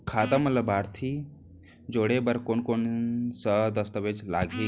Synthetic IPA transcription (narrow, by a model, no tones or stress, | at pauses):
kʰaːt̪əmlɐbaːɾt̪ʰi | d͡ʒoːɽebɐɾkonkoːnsəd̪ɐst̪əʋed͡ʒla̰ːɡʱi